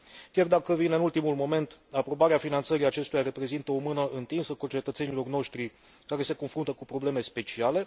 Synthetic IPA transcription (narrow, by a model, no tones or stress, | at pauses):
kʲard̪akəvine̞ɨnult̪imulmo̞me̞nt̪apɾo̞baɾeafinant̪səɾiat͡ʃe̞st̪ujare̞pɾe̞zint̪əomɨnəʔɨnt̪insəkut͡ʃe̞t̪ət̪se̞nilo̞rno̞ʃt̪ɾi | kaɾe̞se̞ko̞nfɾunt̪əkupɾo̞ble̞me̞spe̞t͡ʃiale̞